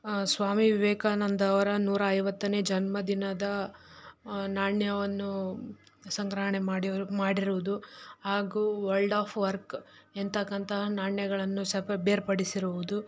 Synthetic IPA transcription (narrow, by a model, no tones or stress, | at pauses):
sʋaːmiʋiʋɛːkaːnɐnd̪ɐːʋɐɾɐnuːɾɐːjʋɐt̪ːɐneːd͡ʒɐnmɐd̪inɐd̪ɐ | naːɳjɐʋɐnːu | sɐŋɡɾɐɦɐɳemaːɽimaːɽiɾuʋud̪uhaːɡuːʋɐɭɖaːpʰʋɐɾk | ent̪ɐkːɐnt̪ɐɦɐnaːɳjɐɡɐɭɐnːusɐpɐbeːɾpɐɽisiɾuʋud̪u